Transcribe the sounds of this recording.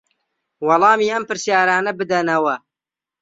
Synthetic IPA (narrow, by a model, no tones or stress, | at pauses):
wɑlˠɑːmiːɐmpɨɾsjaːɾaːnɐbɨd̪ɐnɐwɐ